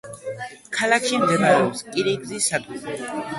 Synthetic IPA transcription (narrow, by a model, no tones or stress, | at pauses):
kʰalakʰʃimd̪ɛvaɾɛɔpskʼiɾiɡzisat̪ʼila